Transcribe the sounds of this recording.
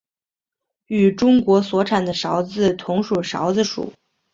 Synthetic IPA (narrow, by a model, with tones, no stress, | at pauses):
y˨˩ʈ͡ʂʊ˥ŋkwɔ˧˥swɔ˧˥ʈ͡ʂʰa˨˩nd̪ə˦ʂɑ˧˥ʊt͡sɹ̩˥˧t̪ʰʊ˧˥ŋʂu˨˩ʂɑ̰˧˥ʊd͡zɹ̩˥˧ʂṵ˨˩˦